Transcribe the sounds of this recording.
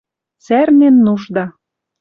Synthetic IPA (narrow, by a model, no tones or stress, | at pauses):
t͡særnenːuʃd̪ɑ